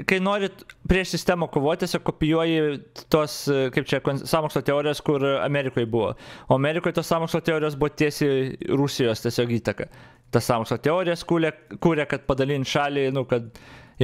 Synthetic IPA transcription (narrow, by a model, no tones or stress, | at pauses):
kɐɪnoːɾʲɪpʲɾʲiɛʃsʲɪsʲt̪ʲæmoːkoːʋoːt̪ʲt̪ʲɛsʲoːkkoːpʲɪjuɔjɪt̪oːskɐɪp̚t͡ʃʲɛkonsɑːmoːkslˠoːt̪ʲɛoːɾʲɪjɛskʊɾɐ̰mʲɛɾʲɪkoːjbʊʋo̰ːoːɐmʲɛːɾʲɪkoːjt̪oːsɑːmoːkslˠoːt̪ʲɛoːɾʲɪjoːsbʊʋoːt̪ʲiɛsʲiɾusʲɪjoːst̪ʲɛsʲoːkiːt̪ɐkɐ | t̪ɐssɑːmoːkslˠoːt̪ʲɛoːɾʲɪjɛskuːlʲɛkuːɾʲɛkɐt̪̚pɐd̪ɐlʲinʃɑːlʲɪnʊkɐt̪